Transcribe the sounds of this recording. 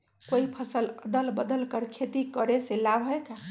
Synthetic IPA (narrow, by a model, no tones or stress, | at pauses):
koipʰəsələd̪əlbəd̪əlkəɾkʰet̪ikəɾeselabɦojka